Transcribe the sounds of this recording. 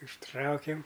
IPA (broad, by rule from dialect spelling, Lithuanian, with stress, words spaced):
ʊʃˈtrɐʊkʲɛm